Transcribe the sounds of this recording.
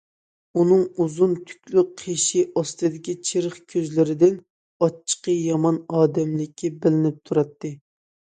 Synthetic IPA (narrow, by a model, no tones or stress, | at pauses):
unɨŋuzunt̪ʰy̥kʲlyqʰeʃiʔɑst̪ɨd̪ɪkʲit͡ʃʰeɾəχkʲʰøzlɪɾɪd̪ɪn | ɑt͡ʃʰːə̥qəjɑmɑnɑːd̪ɛmlɪkʲʰːibɪlɪnɪp̚t̪ʰuɾɑt̪ːɨ